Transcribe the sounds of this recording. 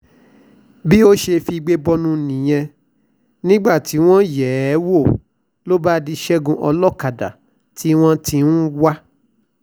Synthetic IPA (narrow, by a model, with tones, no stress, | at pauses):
bi˦o˦ʃe˧fi˧i˧ɡ͡be˦bɔ˧nũ˧˨nĩ˨j̃ɛ̃˧ | nĩ˦ɡ͡ba˦˨ti˨˦w̃ɔ̃˦jɛ˨˦wo˦˨ | lo˦ba˦di˧ʃɛ˦ɡũ˧ʔɔ˧lɔ˦˨ka˨da̰˨ | tʰi˨˦w̃ɔ̃˦ti˧nũ˦wa˦